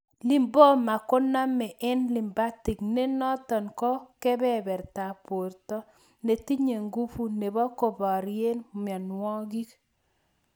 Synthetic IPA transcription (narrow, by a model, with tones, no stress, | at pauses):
li˨mbɔ˦ma˨ko˦na˦mɛ˨ʔɛ˦nli˨mba˦ti˨kne˦nɔ˦tɔ˨nkɔ˦kɛ˦bɛ˦bɛ˨ɾta˨po˨ɾtɔ˦ | ne˨ti˦ɲe˨ŋɡu˦fu˦ne˨bɔ˦ko˨bɔ˨ɾje˦nm˨ɔ˨nwɔ˦ɡi˦k